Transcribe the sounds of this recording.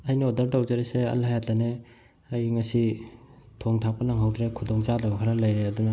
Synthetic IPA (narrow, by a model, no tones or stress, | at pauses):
ɐjnɐodɐɾtawzɐɾeseɐ̰lhajatane | ɐjŋɐsi | tʰoŋtʰak̚pɐnaŋɦawdɾekʰudoŋt͡ʃadɐbɐkʰaɾɐlɐjɾeɐdunɐ